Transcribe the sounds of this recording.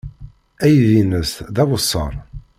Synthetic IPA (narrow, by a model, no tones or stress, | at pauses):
æjðinəsðæwəsˤːə̰ɾˤ